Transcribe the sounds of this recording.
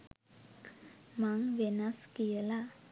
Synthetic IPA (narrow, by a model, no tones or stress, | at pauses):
maŋʋenaskijəla